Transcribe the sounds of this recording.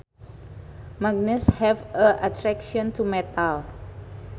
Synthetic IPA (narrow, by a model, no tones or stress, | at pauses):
maɡ̚nɛshɛvəʔatɾɛkʃɔ̃ntʰumɛt̪al